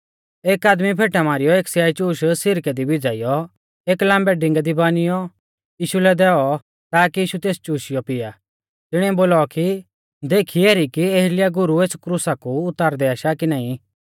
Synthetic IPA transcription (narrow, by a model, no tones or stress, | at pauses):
eːkaːd̪mipʰeːʈamaːɾɪjɔeːksjaːit͡ʃuːʃsɪɾkɛd̪ibɪd͡zaːɪjɔ | eːklãːmbɛɖɪ̃ŋɡɛd̪ibaːnɪjɔ | jiːʃulɛd̪ɛːɔ | t̪aːkijiːʃut̪eːst͡ʃuːʃɪjɔpɪja | t̪ɪɽ̃ɛ̃boːlaki | d̪eːkʰiɛːɾikieɦlɪjaɡʊɾueːskɾusakuʊt̪ːaːɾd̪ɛaːʃakinaːĩ